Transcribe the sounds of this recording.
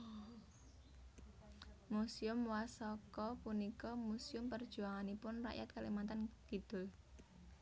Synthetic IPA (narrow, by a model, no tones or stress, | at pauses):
musiʊmwasɔkɔpunikɔmusiʊmpərd̥ʒ̥ṳaŋanipʊnra̰ʔja̰t̪̚kalimant̪ankid̪̥ʊ̤l